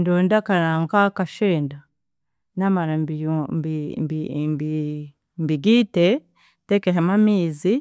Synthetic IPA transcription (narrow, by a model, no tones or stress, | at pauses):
ndondakaɾaŋkakaʃeːnda | namaɾambiibimbi | mbiɡite | tekeɦamamiːzi